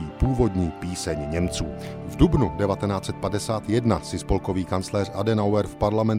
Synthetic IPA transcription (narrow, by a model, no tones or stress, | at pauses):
iːpuːvo̞dɲiːpiːsɛɲɲɛmt͡suː | vdubnudɛvat̪ɛnaːt͡sɛt̪̚padɛsaːt̪jɛdnasɪspolko̞viːkant͡slɛːr̝ʔadɛnawɛɾfpaɾlamɛn